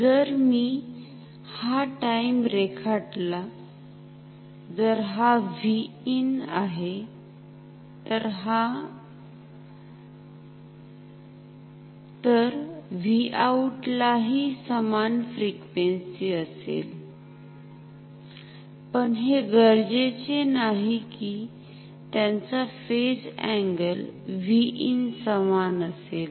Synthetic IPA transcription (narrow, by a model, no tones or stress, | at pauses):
d͡zəɾmi | haʈaimɾekʰaʈla | d͡zəɾɦaʋi | ina̰ɦe | t̪əɾɦa | t̪əɾʋiauʈlaɦisəmanfɾikʋensiəsḛl | pəɳɦeɡəɾd͡ʑet͡senaɦiki | t̪jãnt͡safesɛ̃ŋɡəlʋiʔinsəmanəsel